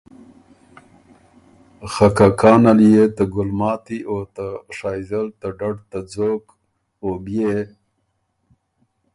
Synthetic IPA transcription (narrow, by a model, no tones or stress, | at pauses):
xakakɑːnaljet̪aɡʊlmɑːt̪iʔot̪aʂɑjzalt̪aɖaɖt̪ad͡zok | obje